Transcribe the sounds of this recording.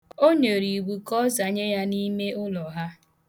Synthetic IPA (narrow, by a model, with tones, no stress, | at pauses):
o˦ɲe˨ɾi˨ɡ͡bu˨kɔ˦za˨ɲe˦ja˦ni˦me˦ʊ˦lɔ˨ɦa˦